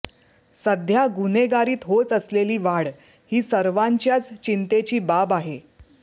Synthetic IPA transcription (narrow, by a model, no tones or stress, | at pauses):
səd̪ʱjaɡuneɡaɾiːt̪ɦot͡səsleliːʋaɽ | hiːsəɾʋaɲt͡ɕjat͡st͡ɕint̪et͡ɕiːbabaɦe